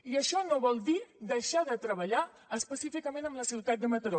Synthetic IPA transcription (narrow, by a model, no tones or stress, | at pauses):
iəʃɔnoβɔlˠd̪id̪əʃaðət̪ɾəβəʎa | əspəsifikəmenəmləsiwt̪at̪̚d̪əmət̪əɾo